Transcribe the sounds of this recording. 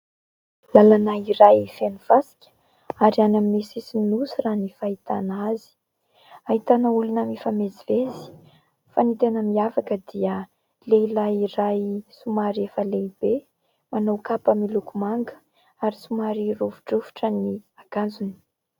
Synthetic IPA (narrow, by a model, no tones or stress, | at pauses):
lalanaiɾajfenuv̥asi̥kʲə̥ | aɾianaminesisininusiranifait̪anazi̥ | aɦit̪anəulunəmifamezivezi̥ | fanit̪enəmiavakəd̪iə | leilajirajsumaɾiefəleibe | manawkapəmilukumaŋɡə̥ | aɾisumaɾiruvu̥ʈ͡ʂuvuʈ͡ʂəniaɡ̥and͡zuni̥